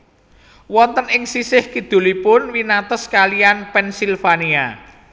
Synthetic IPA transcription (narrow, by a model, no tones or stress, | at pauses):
wɔnt̪ənɪŋsisɪhkid̪̥ṳlipʊnwinat̪ɔskalijanpɛnsilfania